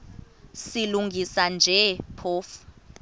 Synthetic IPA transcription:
siluŋɡʱisand͡ʒʱɛpʰoːfu̥

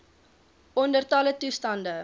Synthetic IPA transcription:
ɔndərtɐlətustɐndə

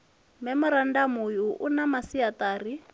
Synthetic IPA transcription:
mɛmʊɾandamujuʔunamasiat̪aːri

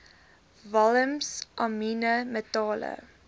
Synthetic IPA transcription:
vɐləmsʔɑminəmətɑːlə̰

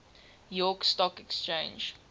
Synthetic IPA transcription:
jɔkstɔkɛkst͡ʃẽnd͡ʒ

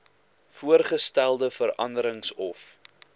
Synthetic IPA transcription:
fuərχəstælˠdəfəɾɐ̰ndəɾəŋsɔf

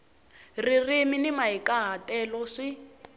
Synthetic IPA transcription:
ririminimaikʼaɦatɛlɔʂi

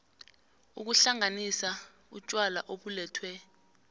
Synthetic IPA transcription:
uk̬uɬaŋanisa | ut͡ʃʼwala̰ʔoɓulɛːtʰwɛ

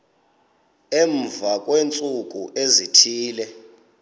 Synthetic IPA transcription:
eɱvakʼwent͡sʼuk̬ʼuʔezitʰiːlɛ

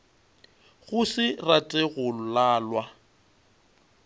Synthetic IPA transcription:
ɣʊsɪratʼɛɣʊlaːlwa

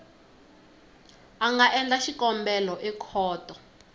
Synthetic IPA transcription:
aŋɡaʔɛnd͡ɮaʃikʼɔmbɛlɔʔɛkʰɔːtʼɔ

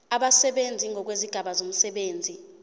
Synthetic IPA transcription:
aɓasɛɓend͡zʱiŋʱɔk̬weziɡ̥ʱaɓazom̩sɛɓeːnd͡zʱi

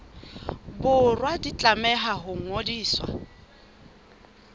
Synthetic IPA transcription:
bʊrwadit͡ɬʼamɛɦaɦʊŋ̩ŋodiːswa̰

